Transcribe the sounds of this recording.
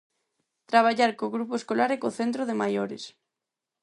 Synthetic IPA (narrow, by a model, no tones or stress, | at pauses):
t̪ɾaβ̞aʎaɾkoɣɾupoeskolaɾekoθent̪ɾoðemajoɾɪ̰s